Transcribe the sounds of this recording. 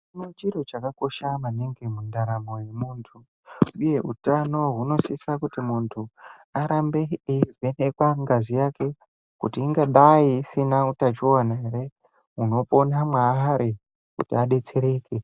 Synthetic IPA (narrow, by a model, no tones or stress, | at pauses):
inot͡ʃiɾo̞t͡ʃakako̞ʃamaneŋɡe̞mundaɾamo̞je̞muːntʰu | uje̞utano̞ɦuno̞sisakutimuntʰu | aɾambeiivʱe̞nekwaŋɡazijake̞ | kutiːŋɡaɗaisinautat͡ʃowanaeɾe̞ | uno̞po̞namwaɦaɾʔi | kutiaɗe̞t͡se̞ɾeːke